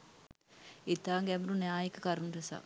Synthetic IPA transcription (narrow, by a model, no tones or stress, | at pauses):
et̪aːŋɡɛʋuɾunɛaːjekəkaɾunɾesa̰